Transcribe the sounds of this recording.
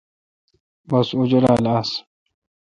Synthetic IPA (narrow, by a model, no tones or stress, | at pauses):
bɐsud͡ʑula̰ːlaːs